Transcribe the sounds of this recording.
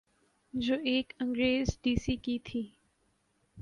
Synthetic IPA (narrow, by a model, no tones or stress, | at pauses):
d͡ʒoːʔeːkə̃ŋɡɾeːzɖiːsiːkit̪ʰiː